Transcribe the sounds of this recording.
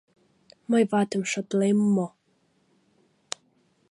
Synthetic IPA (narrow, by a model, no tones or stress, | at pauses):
majvaːdəmʃɔdlɛmɔ